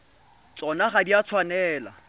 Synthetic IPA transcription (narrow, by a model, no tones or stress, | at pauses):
t͡sʼɔnaχadiat͡sʰwanɛːla̰